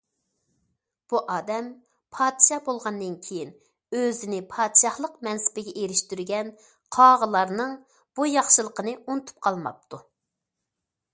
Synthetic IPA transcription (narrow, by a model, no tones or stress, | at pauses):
b̥uʔɑːd̪ɛm | pʰɑːd̪ʃɑbolˠʁɑnd̪ɨnkʲʰejin | øzɪnɪpʰɑːd̪ʃɑhlˠəqmɛnsɪ̥bɪɡʲɛʔeɾɪʃt̪yɾɡʲɛn | qʰɑːʁəlˠɑɾnɨŋ | b̥ujɑχʃɨlˠəqənɨunɨt̪ʰu̥p̚qʰɑlˠmɑ̰p̚t̪ʰu